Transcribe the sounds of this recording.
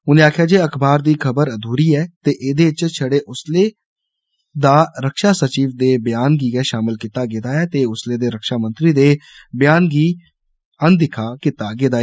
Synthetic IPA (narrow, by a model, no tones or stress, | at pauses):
ʊnẽːaːkʰjaːd͡ʒeːəkʰbaːɾd̪iːkʰəbəɾəd̪ʱuːɾiːɛːt̪eːʔɪd̪eːt͡ʃt͡ʃʰəɽeːʔʊsleː | d̪aːɾəkʃaːsət͡ʃiːʋd̪eːbjaːnɡiːɡɛːʃaːmɪlkɪt̪aːɡeːd̪aːɛːt̪eːʊsleːd̪eːɾəkʃaːmənt̪ɾiːd̪eː | bjaːnɡiː | ənd̪ɪkʰaːkɪt̪aːɡeːd̪aː